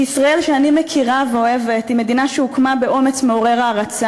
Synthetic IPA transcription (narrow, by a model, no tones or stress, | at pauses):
isʁae̞lʃeanimekʰiʁaveo̞evet̪ime̞d̪inaʃeukmabeʔo̞met͡smeo̞ʁeʁaːʁat͡sa